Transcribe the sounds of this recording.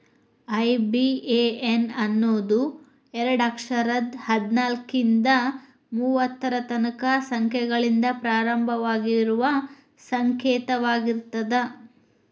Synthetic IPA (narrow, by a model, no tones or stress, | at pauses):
ɐjbieenɐnːoːd̪u | ɛɾɐɽɐkʂɐɾɐd̪hɐd̪naːlkind̪ɐ | muːʋɐt̪ːɐɾɐt̪ɐnɐkɐsɐŋkʰjɛɡɐɭind̪ɐpɾaːɾɐmbʱɐʋaːɡiɾuʋɐ | sɐŋkɛːt̪ɐʋaːɡiɾt̪ɐd̪e